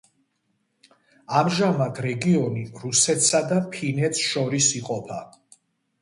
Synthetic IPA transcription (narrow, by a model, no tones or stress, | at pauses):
amʒamad̪ʰɾɛɡiɔniɾusɛt̪ʰsad̪apʰinɛt̪sʃɔɾisiqʼɔpʰa